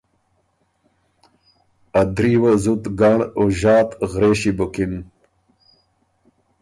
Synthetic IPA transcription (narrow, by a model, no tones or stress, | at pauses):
ɐd̪ɾiwɐzut̪ɡaɳoʑaːt̪ɣɾeːɕibokin